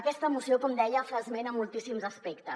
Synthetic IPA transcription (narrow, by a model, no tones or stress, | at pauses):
əkɛst̪əːmusiokɔmd̪ɛjəfəzmenəmːulˠt̪isimzəspekt̪ə